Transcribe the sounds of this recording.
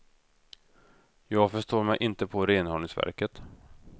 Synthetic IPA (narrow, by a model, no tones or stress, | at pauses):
jɑːɡfœʂt̪oːɾmɛjʔɪnt̪əpʰɔɾeːnhɔnɪŋsvæ̰ɾkət̪